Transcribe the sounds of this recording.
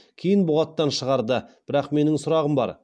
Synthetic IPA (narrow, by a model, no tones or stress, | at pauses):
kʲʰejɪnbʊʁɑt̪ːɑnʃəʁɑɾd̪əb̥ɪɾɑqme̞nɪŋsʊɾɑʁəmbɑ̰ɾ